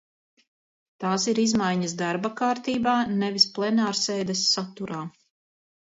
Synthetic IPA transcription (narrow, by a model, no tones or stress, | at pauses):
t̪aːsiɾizmajɲɐsd̪aɾbakaːɾt̪iːbaːnɛvisplˠɛnaːɾseːd̪ɛsːat̪uɾaː